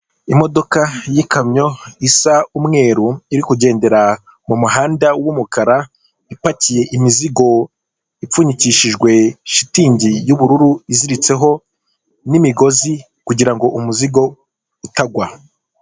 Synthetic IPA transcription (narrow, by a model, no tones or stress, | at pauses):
imo̞do̞kajikamɲo̞isaumŋe̞ːɾuiɾikuɟe̞ːnde̞ɾa | mumuɦaːndawumukaɾa | ipacije̞ʔimiziɡo̞ | ip͡fuɲiciʃiʒɡwe̞ʃitiːɲɟijuβuɾuɾuiziɾit͡se̞ɦo̞ | nimiɡo̞zi | kuɟiɾaŋɡo̞ʔumuziɡo̞ | utaɡwa